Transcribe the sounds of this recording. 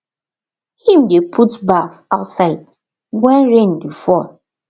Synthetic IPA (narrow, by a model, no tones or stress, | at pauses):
hĩmdepʰutbaθaʊtsaɪd̚ | wɛ̃nɹẽnbifɔl